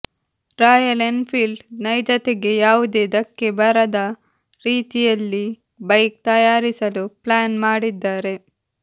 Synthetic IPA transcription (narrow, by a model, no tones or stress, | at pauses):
ɾaːjɐlenpʰiːlɖnɐjd͡ʒɐt̪eɡe̞jaːʋud̪eːd̪ɐkːebɐɾɐd̪ɐ | ɾiːt̪ijɐlːi | bɐjk̚t̪ɐjaːɾisɐluplaːnmaːɽid̪ːaːɾe̞